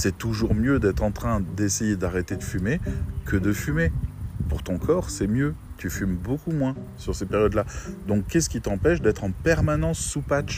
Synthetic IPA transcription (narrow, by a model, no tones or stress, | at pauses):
sɛt̪uʒuʁmjød̪ɛt̪χɑ̃t̪χɛ̃d̪esejed̪aʁet̪ed̪əfymekəd̪əfymepuʁt̪ɔ̃kʰɔʁsɛmjø | t̪yfymbokumwɛ̃ | syʁsepeʁjɔd̪lad̪ɔ̃kːɛsə̥kʲit̪ɑ̃pɛʃd̪ɛt̪χɑ̃pɛʁmanɑ̃sːupat͡ʃ